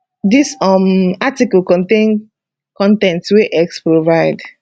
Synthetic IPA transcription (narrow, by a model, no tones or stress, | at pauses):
disɔmatiklkɔ̃ntẽn | kɔ̃ntɛ̃ntweʔɛkspɹovaɪd